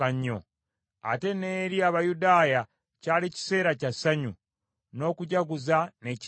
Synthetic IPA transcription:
aɲːo̰ | a̰te̞ne̞ːɾiaβajudaːja | caːlici̥se̞ːɾacasaɲu | no̞ːkuɟaɡuzane̞c

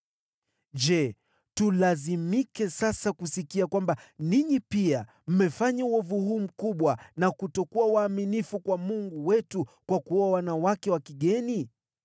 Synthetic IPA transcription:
d͡ʒɛ | tulazimikɛsasakusikiakwambaniɲipia | m̩mɛfaɲauɔvuhuːm̩kuɓwanakutɔkuawaːminifukwamuŋɡuwɛtukwakuɔwanawakɛwakiɠɛni

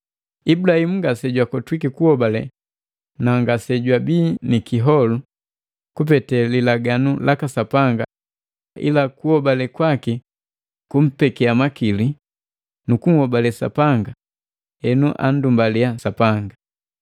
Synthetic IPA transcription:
ibulahim̩ŋɡasɛɟwakɔtwikikuhɔbalɛ | naŋɡasɛɟwabiːnikiɦɔlu | kup̬ɛtɛlilaɡanulʔakasapaŋɡa | ʔḭlakuhɔbalɛkwaki | kum̩pɛkɛamakili | nukuŋhɔbalɛsa̰paŋɡa | ɛnuʔa̰ndumbaliasapaŋɡa

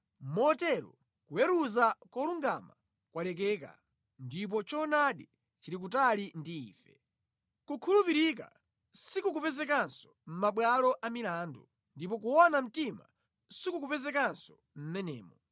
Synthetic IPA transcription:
mɔtɛɾɔ̰ | kujɛɾuzakwɔluŋɡa̰ma | kwalɛk̬ɛːka̰ | ndip̬ɔt͡ʃɔnaɗi | t͡ʃiɾik̬utalindiːfɛ | kukʰulupiɾika̰ | sikuk̬upɛzɛk̬ansɔ̥m̩maɓwalɔʔamilaːndu | ndipɔk̬uɔnam̩tima | sikuk̬upɛzɛkansɔ̥ | m̩mɛnɛ̰ːmɔ

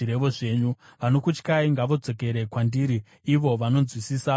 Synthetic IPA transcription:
iɾe̞ʋo̞ʐe̞ːɲuʋano̞kut͡ʃkaiŋɡaʋo̞d͡zo̞ke̞ɾe̞kwandiːɾiː | ʋo̞ʋano̞zwisiːsa

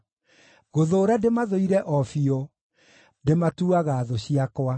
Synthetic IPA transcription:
ɣoðoːɾademaðoiɾɛʔɔfiɔ | ndematuaɣaːðoɕiakwa

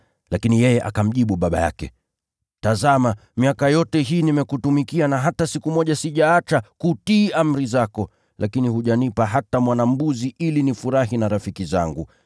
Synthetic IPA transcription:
lakinijɛjɛʔa̰kam̩ʄiɓuɓaɓa̰ja̰kɛ̰ | tazamamiakajɔtɛɦiːnimɛkutumikianaɦatasikumɔʄasiʄaat͡ʃakutiːam̩ɾizakɔ | lʔakinihuʄanipaɦatamwanam̩buziʔilinifuɾaɦinaɾafikiza̰ŋɡu

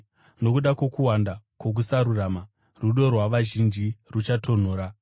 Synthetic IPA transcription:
no̞kuɗakwo̞kuwandakwo̞k̬usaɾuraːma | ruɗo̞rwaʋaʒind͡ʒirut͡ʃatʰo̞n̤oːɾa

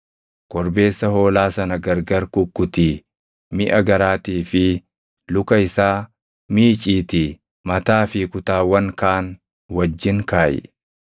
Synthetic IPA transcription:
kɔɾbe̞ːsːɐho̞ːlaːsɐnɐɡɐɾɡɐɾkʊkːʊt̪i | mɪʔɐɡɐɾaːt̪iːfɪ | lʊkɐɪsaː | miːt͡ʃʼiːt̪ɪ | mɐt̪aːfɪkʊt̪aːwɐŋkaːn | wɐd͡ʒːɪŋkaːʔɛ̰

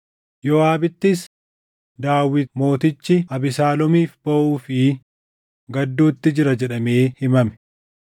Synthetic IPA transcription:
jɔaːbɪt̪ːɪs | d̪aːwːɪt̪mo̞ːt̪ɪt͡ʃːɪɐbɪsaːlɔmiːfbɐʔuːfɪ | ɡɐd̪ːuːt̪ːɪd͡ʒɪɾɐd͡ʒɛᶑɐme̞ːhɪmɐmɛ̥

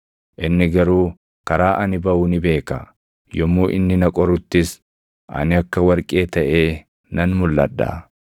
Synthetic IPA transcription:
ʔɪnːɪɡɐɾuː | kɐɾaːʔɐnɪbɐʊnɪbe̞ːkɐ | jɔmːuːʔɪnːɪnɐkʼɔɾʊt̪ːɪs | ʔɐ̰nɪɐkːɐwɐɾkʼe̞ːt̪ɐʔeː | nɐnmʊlːɐ̰d̪ːɐ̰ː

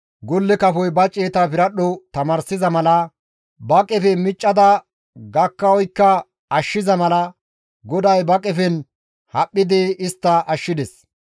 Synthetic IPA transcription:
ɡɔlːɛkɐfɔjbɐt͡ʃʼːeːt̪ɐpɪɾɐɗɔt̪ɐmɐɾsɪzɐmɐlɐ | bɐkʼɛfɛmɪt͡ʃʼːɐd̪ɐ | ɡɐkːɐɔjkːɐ | ɐʃːɪzɐmɐlɐ | ɡɔd̪ɐjbɐkʼɛfɛn | hɐpʼːɪd̪ɪɪst̪ːɐʔɐʃːɪd̪ɛs

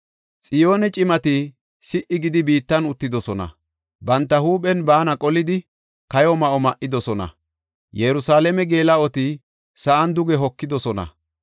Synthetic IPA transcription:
t͡sʼɪjoːnɛt͡ʃʼɪmɐt̪ɪ | sɪʔɪɡɪd̪ɪbiːt̪ːɐnʊt̪ːɪd̪ɔsɔnɐ̰ | bɐnt̪ːɐhuːpʼɛnbaːnɐkʼɔlɪd̪ɪ | kɐjɔmɐʔɔmɐʔːɪd̪ɔsɔnɐ̰ | jɛɾʊsaːlɛmɛɡe̞ːlɐɔt̪ɪ | sɐʔɐnd̪ʊɡɛɦɔkːɪd̪ɔsɔnɐ̰

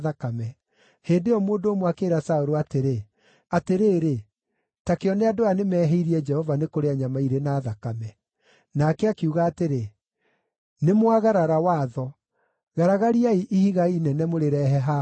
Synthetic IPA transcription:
ðakamɛ | heːdeɔmoːndooːmwakeːɾasaoɾoateɾe | ateɾeːɾe | takeɔneadoanemɛːɦɛiɾiɛd͡ʒɛhɔvanekoɾeaɲamaiɾenaːðakamɛ | nakɛakeuɣaːteɾe | nemwaɣaɾaɾawaðɔ | ɣaɾaɣaɾiaiʔihiɣainɛnɛmoɾeɾɛɦɛɦa

